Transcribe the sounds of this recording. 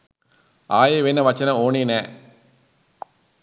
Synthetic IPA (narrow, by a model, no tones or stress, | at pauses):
aːjeʋeːnːɐʋɐt͡ʃːɐnɐ̃oːninɛ